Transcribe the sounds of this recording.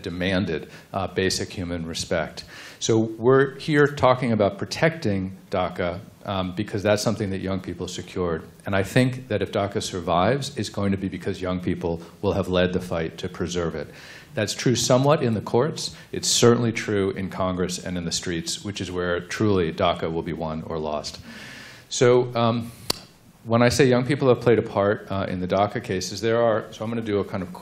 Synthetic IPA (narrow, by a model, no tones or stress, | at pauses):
d̥ɨmæ̃ndɪd̚beɪsɨkhjʉmɨ̃nɹɨspɛk̚tsoʊwɪɹhiɹtʰɔkɪ̃ŋɨbaʊt̚pʰɹ̥ɨtʰɛk̚tɪ̃ŋd̥ɑkɨ | bɨkʰʌzðætsʌ̃mθɪ̃ŋðɨʔjʌ̃ŋpʰipl̩ˠsɨkʰj̥ʊɹd | ɨ̃ñaɪθɪ̃ŋk̚ðɨɾɨfd̥ɑkɨsə˞vaɪvzɨtzɡ̥oʊɪ̃ŋtʰɨbibɨkʰʌzjʌ̃ŋpʰipl̩ˠwəlˠəvlɛd̪̚ðɨfaɪtʰɨpʰɹ̥ɨzɜ˞vɪt̪̚ | ðætstʰɹ̥ʉsʌ̃mwʌɾɨ̃nðɨkʰɔɹts | ɨtsɜ˞ʔn̩litʰɹ̥ʉɪ̰̃nkʰɑ̃ŋɡɹɨsɨ̰̃nɨ̃nðɨstɹ̥itswɨt͡ʃɨzwə˞tʰɹ̥ʉlˠidɑkɨwəlˠbiwʌ̃nə̰˞lɔ̰st | soʊ | wə̃ñaɪseɪjʌ̃ŋpipl̩ˠəv̥pʰl̥eɪɾɨpʰɑɹɾɪ̰̃nðɨdɑkɨkʰeɪsɨzðə˞ə˞soʊãɪ̃mɡʌnɨdɨːkʰãɪ̃ndʌv̥kʰ